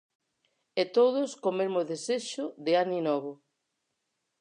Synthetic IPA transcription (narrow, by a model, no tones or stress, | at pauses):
et̪oð̞ʊskomeɾmoðeseʃʊðeaninɔβ̞ʊ